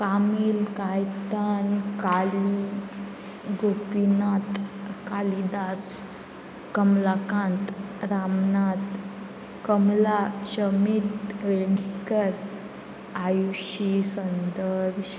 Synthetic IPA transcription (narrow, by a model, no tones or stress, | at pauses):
kamilkajt̪ankali | ɡopinat̪kalid̪as | kəmlakãnt̪ɾamnat̪ | kəmlaɕəmit̪ʋeɭɡʱikəɾ | ajuɕisənd̪əɾɕ